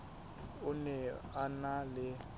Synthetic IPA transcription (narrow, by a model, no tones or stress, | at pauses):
ʊnɛanalɪ